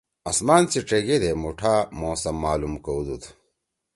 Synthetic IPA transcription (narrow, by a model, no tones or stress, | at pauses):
ɐsmaːnt͡siʈ͡ʂeɡed̪emuʈʰamoːsɐmːaːlumkowd̪ut̪ʰ